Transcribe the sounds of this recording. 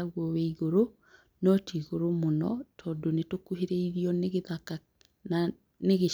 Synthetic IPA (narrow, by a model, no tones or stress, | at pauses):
aɣwɔwɛiɣoɾo | nɔtʰiɣoɾomonɔ̰tʰɔːndonetokuɦeɾeiɾiɔnɣðaka | neɣe